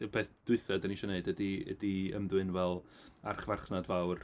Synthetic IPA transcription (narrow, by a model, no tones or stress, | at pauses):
beːθd̥ʊɨθɛdəniʃɔneɨdədiə̰diə̰mðwɨnvɛlˠa̰rχvarχnadvawr